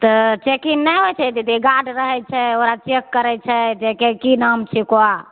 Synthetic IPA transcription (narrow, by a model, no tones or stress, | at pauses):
t̪ət͡ʃekinːɛɦot͡ʃʰɛt̪it̪eɡaɖɾəɦɛt͡ʃʰɛoɾat͡ʃekːəɾɛt͡ʃʰɛd͡ʒekekinamt͡ʃʰikoa